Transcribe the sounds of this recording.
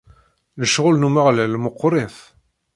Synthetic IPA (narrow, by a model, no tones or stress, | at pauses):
ləʃʁʊlnumaʁlælmʊqːɾˤeθ